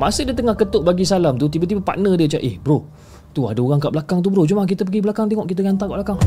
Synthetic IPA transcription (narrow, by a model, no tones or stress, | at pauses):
masədiət̪əŋahkət̪oʔbaɡisalamt̪ut̪ibət̪ibapa̰ʔnədiət͡ʃa̰ʔehbɾoh | t̪ua̰daoɾaŋkaʔblakaŋt̪̬ubəɾot͡ʃumak̬it̪əp̬əɡibəlakaŋt̪̬eŋɔʔkit̪̬əɡant̪aŋkaʔblakaŋ